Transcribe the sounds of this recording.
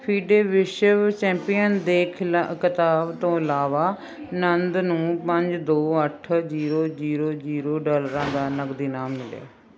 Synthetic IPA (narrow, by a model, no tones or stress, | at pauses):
pʰiːɖeːʋɪʃəʋt͡ʃɛ̃ːmpijənd̪eːkʰɪlakɪt̪aːbt̪õːəlaːʋaː | nənd̪nũːpəɲd͡ʒd̪oːəʈʰziːɾoːziːɾoːd͡ʒiːɾoːɖoːləɾãːd̪aːnəɡd̪iːnaːmmɪlḛː